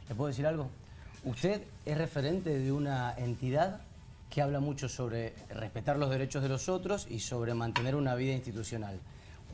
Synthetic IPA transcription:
lepwees̬iɾalɣo̞ | ust̪e̞ð | esre̞fe̞ɾe̞nt̪e̞ðeunaent̪iðað | keaβlamut͡ʃo̞so̞βɾe | rehpe̞t̪aɾlo̞zð̞e̞ɾe̞t͡ʃoð̞elo̞so̞t̪ɾo̞sḭso̞βɾe̞mãnt̪e̞ne̞ɾunaβ̞iðainst̪it̪usjo̞nal

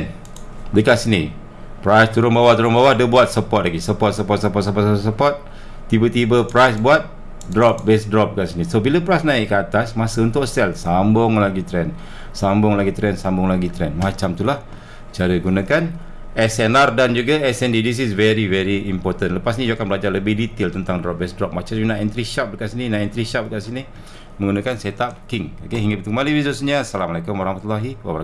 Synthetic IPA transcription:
n | dəkaʔsini | pɾajst̪uɾʊnbawaht̪uɾʊnbawahdəbuat̪̚səpɔt̪̚laɡisəpɔt̪̚səpɔt̪̚səpɔt̪səpɔt̪ssəpɔt̪̚ː | ibət̪ibəpɾajsbuat̪̚ | dɾɔp̚bɛsdɾɔp̚dəkasinisobiləpɾajsnãɪʔkːəat̪asmasəunt̪ʊʔsɛlsambʊŋlaɡit̪ɾɛn | sambʊŋlaɡit̪ɾɛnsambʊŋlaɡit̪ɾɛnmat͡ʃamt̪ulah | t͡ʃaɾəɡunakan | ɛsɛnardand͡ʒuɡaɛsɛndidis̬isvɛɾivɛɾiːmpɔrt̪ənləpasɲĩd͡ʒuakanbəlad͡ʒarləbɪdit̪ɪlt̪ənt̪aŋdɾɔp̚bɛsdɾɔp̚mat͡ʃad͡ʒunaʔɛnt̪ɾiʃap̚dəkaʔsininaʔɛnt̪ɾiʃap̚dəkaʔsini | mə̃ŋɡunakansɛt̪ap̚kɪŋokeɦiŋɡapit̪ukəmaliwizosəɲasalamalakʊmwaɾahmat̪ulːaɦiwabɾa

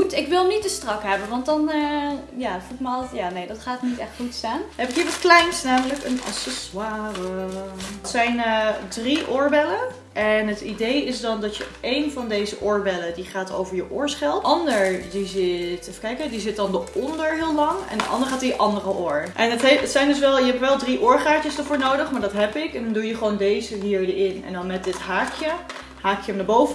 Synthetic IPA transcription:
utɪkʋɪlˠnit̚dəstrɑkɦɛbənʋɑntdɑnəjaːfulɪkməljaːnejdɑtχaːtnitɛχtχutstaːnɦɛpɪkɦiːɹʋɑtklɛjnsnaːmələkənɑ̰sɛswaːrə | tsɛjnədriʔʊːɹbɛlə | ʔɛnɦətidejɪsdɑndɑtjəejnvɑndejzəʔʊːɹbɛlədiχaːtʰo̰wvəɹjəʔʊːɹsχɛlˠʔɑndəɹdizɪtfkɛjkədizɪt̚dɑndəʔɔndəɹɦɪːlˠlɑŋɛ̰ndəʔɑ̰ndəɹχaːtiəʔɑndərəʔʊːɹʔɛnətətsɛjndɵsʋɛlˠjəɦɛpʋɛlˠdriʔʊːɹχaːɹt͡ʃəsdəɹvʊːɹnowdəχmaːɹdɑtɦɛpɪkɛndɑndujəχʋoːndejzəɦiːɹdɪnɛ̰ndɑnmɛt̚dɪtɦaːkjə | ɦaːkjəəmnaːbowvə

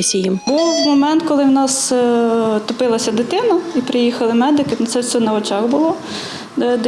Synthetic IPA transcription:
sʲijimbuwmɔmɛnt̪kɔlˠɪwnɑs | t̪ɔpɪlˠɐsʲɐd̪ɪt̪ɪnɐipɾɪjixɐlˠɪmɛd̪ɪkɪt̪sɛwsʲɔnɐɔt͡ʃɑɣbʊlˠɔ | d̪

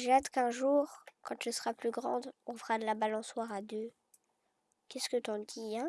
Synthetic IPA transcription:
ʒeat̪kɛ̃ʒuːʁkɑ̃t̪ysəʁaplyɡʁɑ̰̃d̪ɔ̃fʁad̪əlabalɑ̃swaʁad̪ø | kʲɛskət̪ɔ̃d̪iɛ̃

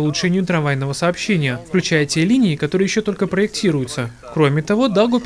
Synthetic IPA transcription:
ʊlˠʊtʂɛnʲɪjʊt̪ɾɐnvajnəvəsɐːpɕːenʲɪjəfklʲʉt͡ɕæjətʲelʲinʲɪːkɐt̪oɾɨəjɪɕːot̪o̞lʲkəpɾəɪk̚tʲiɾʊjʊt̪sə | kɾo̞mʲɪt̪ɐvo̞d̪alˠɡopʲ

